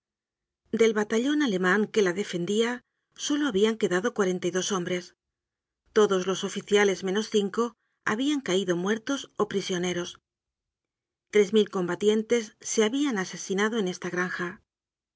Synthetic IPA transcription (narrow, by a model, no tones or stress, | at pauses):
d̪e̞lβat̪aʎo̞nale̞mãŋke̞laðe̞fe̞nd̪ia | so̞lo̞aβiaŋke̞ðaðo̞kwaɾe̞nt̪ajðo̞so̞mbɾe̞s | t̪o̞ðo̞zlo̞so̞fiθjale̞zmẽ̞no̞sθiŋko̞ | a̰βiaŋkaiðo̞mwe̞ɾt̪o̞so̞pɾisjo̞ne̞ɾo̞s | t̪ɾe̞zmilko̞mbat̪je̞nt̪e̞sːe̞aβianase̞sinaðo̞e̞ne̞st̪aɣ̞ɾaŋxa